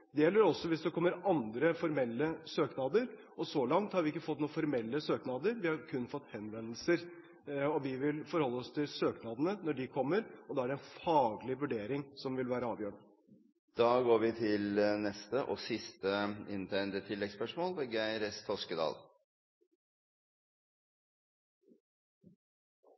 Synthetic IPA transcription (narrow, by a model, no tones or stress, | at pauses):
d̪ɛjɛlːəɾɔsːɔʋɪsd̪ɛkʰɔmːəɾɑnd̪ɾəfɔɾmɛlːəsøːknɑːd̪əɾ | ʔɔsɔlɑŋt̪hɑɾʋɪɪkːəfɔt̪ːnuːfɔɾmɛlːəsøːknɑːd̪əɾʋɪhɑɾkʰʉnːfɔt̪ːhɛnʋɛnl̩səɾ | ɔʋɪʋɪlfɔɾhɔlːəɔst̪ʰɪlsøːknɑːd̪ənənɔɖɪkʰɔmːəɾɔd̪ɑːæɖɛɛnfɑːɡlɪʋʉɖeːɾɪŋsɔmʋɪlʋæːɾəɑːʋjøːɳ | d̪̥ɑːɡoːɾʋɪt̪ʰɪlnɛst̪əʔɔsɪst̪əɪnt̪ʰæɪnd̪ət̪ʰɪlːɛɡspœʂmoːlʋeɡæɪɾɛst̪ʰɔskəd̪ɑ̰ːl